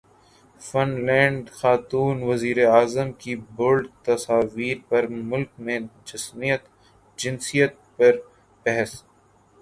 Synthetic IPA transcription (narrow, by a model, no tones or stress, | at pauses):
fɐnlɛ̃ːɳɖxaːt̪uːnʋɐziːɾeaːzəmkibʊlɖt̪ɐsaːʋiːɾpɐɾmʊlkmẽd͡ʒɐsmijət̪ | d͡ʒɪnsijət̪̚pɐɾ | bɛɦɛs